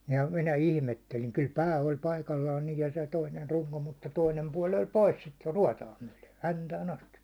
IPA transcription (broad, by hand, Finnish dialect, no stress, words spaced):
jɑ minæ ilmetːeliŋ kyl pæː olʲ pɑikɑlːɑːn niːj jɑ se toiner ruŋko mutːɑ toinem puɒl olʲ pois sit ruɒtɑː myæ̹le hæntæːn ɑstiʋ